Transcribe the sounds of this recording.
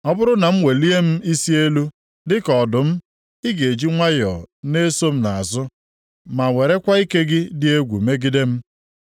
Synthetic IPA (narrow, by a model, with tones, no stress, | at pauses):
ɔ˦bʊ˦ɾʊ˦na˨m̩˦we˨li˦e˦m̩˦i˦si˦e˦lu˦ | dɪ˦kɔ˨dʊ˨m̩˦ | ɪ˦ɡe˨d͡ʒi˦ŋʷa˦jɔ̰˨ne˦so˦m̩˦na˨a˨zʊ˦ | ma˨ŋe˨ɾe˦kʷa˦i˦ke˦ɡɪ˦dɪ˦e˦ɡʷṵ˨me˦ɡɪ˦de˦m̩˦